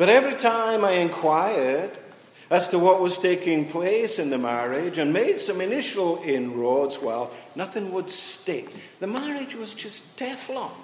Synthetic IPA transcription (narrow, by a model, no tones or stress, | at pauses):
b̥ʌɾɛvɹitʰãɪ̃maɪɨ̃nkʰw̥aɪə˞d | æz̥təwʌʔ̚wʌz̥tʰeɪkɪ̃ŋpʰl̥eɪsɨ̃nðɨmæɹɪd͡ʒɨ̃nmeɪd̥sʌ̃mɨnɪʃl̩ˠɪ̃nɹɔdzwaɪlˠnʌθɪ̃ŋwəd̥stɪk̚ | ðɨmæɹɪd͡ʒwʌzd͡ʒʌstʰɛflɔ̃ŋ